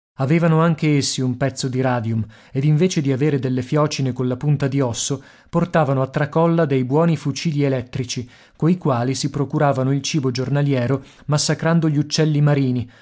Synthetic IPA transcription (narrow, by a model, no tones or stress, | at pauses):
aveːvanoaŋk̟eesːiumpɛt̪sːod̪iɾaːd̪jum | ed̪iɱveːt͡ʃed̪iaveːɾed̪elːefjɔːt͡ʃinekonlapunt̪ad̪iɔsːo | port̪aːvanoat̪ːɾakɔlːad̪ejbwɔːnifut͡ʃiːʎielɛt̪ːɾit͡ʃi | koikwaːlisipɾokuɾaːvanoilt͡ʃiːbod͡ʒornaljɛːɾo | masːakɾand̪oʎiut͡ʃːɛlːimaɾiːni